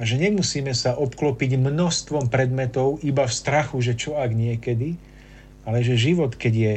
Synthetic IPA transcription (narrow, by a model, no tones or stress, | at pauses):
aʒɛɲɛmusiːmɛsaʔɔpklɔpiɟmnɔst̪ʋɔmpɾɛd̪mɛt̪ɔʊʔibafst̪ɾaxuʒɛt͡ʃɔaɡɲɪɛkɛd̪i | alɛʒɛʒiʋɔt̪kɛɟjɛ